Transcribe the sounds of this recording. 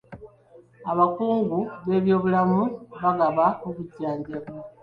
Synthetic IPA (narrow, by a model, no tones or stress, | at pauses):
aβakuːŋɡuβe̞ːβjo̞ːβulamuβaɡaβaokuɟːaːɲɟeβwa